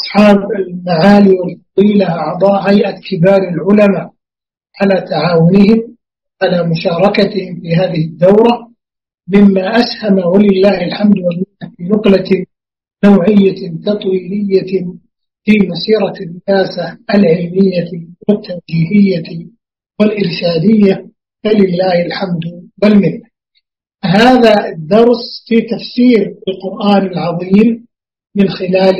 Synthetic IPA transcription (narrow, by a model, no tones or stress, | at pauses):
ʔɑ̥sˤħɑːbalmaʕaːliwɪlfɑðˤiːlaʔɑʕd̪ˤɑːʔɦajʔakɪbaːɾɪlʕʊlamaːʔ | ʕalaːt̪aʕaːwʊnɪhɪm | ʕalaːmʊʃɑːɾˤɑkat̪ɪhɪmfiːɦaːðɪhɪd̪ːawɾa | mɪmːaʔashamawalɪlːaːhalħamd̪walmɪnafiːnʊqla | nawʕɪjːat̪ɑt̪ˤwiːlɪjːa | fiːmɑsiːɾɑrːɪjaːsaalʕɪlmɪjːawɪt̪ːand͡ʒiːhɪjːa | wɪlʔɪɾʃaːd̪ɪjːa | falɪlːaːhɪlħamd̪walmɪnːa | ɦaːðad̪ːɑɾˤsˤfiːt̪afsiːɾalqʊɾʔaːnɪlʕɑðˤiːm | mɪnxɪlaːl